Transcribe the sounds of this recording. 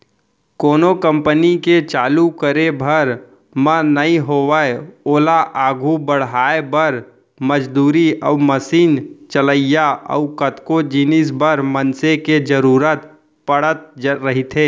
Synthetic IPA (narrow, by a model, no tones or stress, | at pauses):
koːnokə̃mpəniket͡ʃaːlukəɾebʱəɾ | mə̃nəĩɦoːwəoːlaʔaːɡʱubəɽ̤ɦaːebəɾ | məd͡ʒd̪uːɾiʔəʊməsiːnt͡ʃələɪjaə̰ʊkət̪kod͡ʒiːnis̬bəɾmənseked͡ʒəɾuːɾət̪ | pəɽət̪̚d͡ʒɾəɦit̪ʰeː